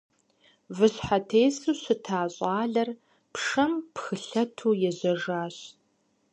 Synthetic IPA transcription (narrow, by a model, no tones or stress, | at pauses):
vɨɕħatʰeːsuːɕɨtʰaːɕʼɑːɮɐr | pʂɐmpxɨɬɐtʰuːjɛʑɐʐaːɕ